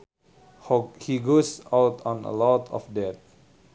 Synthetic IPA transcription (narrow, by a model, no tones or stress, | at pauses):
hhiɡosawtʰɔ̃nə̰lɔtʰɔ̰fdɛt̪̚